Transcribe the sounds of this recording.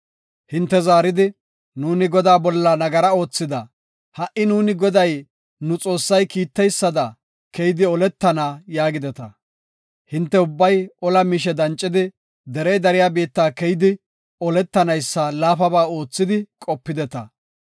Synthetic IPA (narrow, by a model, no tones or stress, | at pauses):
hɪnt̪ːɛzaːɾɪd̪ɪ | nuːnɪɡɔd̪aːbɔlːɐnɐɡɐɾɐo̞ːt͡sːɪd̪ɐ | hɐʔɪnuːnɪɡɔd̪ɐj | nʊt͡sʼo̞ːsːɐjkiːt̪ːɛjsːɐd̪ɐ | kɛjɪd̪ɪɔlɛt̪ːɐnaːjaːɡɪd̪ɛt̪ɐ | hɪnt̪ːɛʊbːɐjɔlɐmɪʃ̬ɛd̪ɐnt͡ʃʼːɪd̪ɪ | d̪ɛɾɛjd̪ɐɾɪjaːbiːt̪ːaːkɛjɪd̪ɪ | ɔlɛt̪ːɐnɐjsːɐlaːfɐbaːo̞ːt͡sːɪd̪ɪkʼɔpːɪd̪ɛt̪ɐ